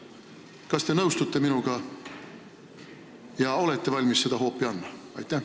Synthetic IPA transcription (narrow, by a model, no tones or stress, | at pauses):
kɑst̪e̞nɤwst̪ut̪ːˑe̞minuɡ̥ɑ | jɑo̞let̪ːe̞vɑlʲmisse̞d̪̥ɑɦo̞ːpːiɑnd̪mɑ | ɑ̰jt̪ːˑæh